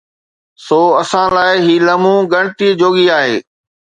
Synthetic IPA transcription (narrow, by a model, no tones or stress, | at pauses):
soːɐsãlaːɪɦiːləmũːɡəɽ̃ʈ̪iːd͡ʑoːɡiaːɦeː